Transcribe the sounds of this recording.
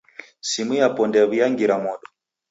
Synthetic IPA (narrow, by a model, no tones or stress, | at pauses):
simujapɔndɛβijaŋɡiɾamɔɗɔ